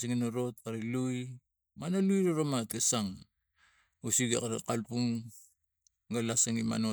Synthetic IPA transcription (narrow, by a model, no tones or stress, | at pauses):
siŋinoɾo̞t̚kaɾiluj | manalujɾoɾomatesaŋ | usiɡa̰kaɾḛkalpuŋ | ɡalasaŋima̰no